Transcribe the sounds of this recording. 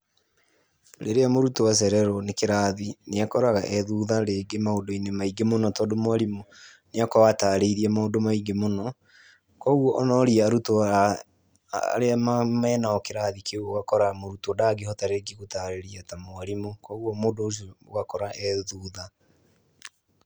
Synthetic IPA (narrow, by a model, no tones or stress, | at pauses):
ɾeɾeamoɾutowas̬ɛɾɛɾɔnekeɾaðineakɔɾaɣaʔɛðuːðaɾeːɡemaodoinemaiɡemonɔtɔdomwaɾimo | neakɔwataːɾeiɾiɛmaodomaiɡemonɔ | kwɔuwɔʔɔnɔɾiaːɾuto | ɾeamamɛːnaɔkeɾaːðikeoɔɣakɔɾamoɾutodaɡehɔtaɾeɡiɣotaːɾeɾiatamoaɾimokɔuɔmoːdoːs̬oɡakɔɾaʔɛðuːða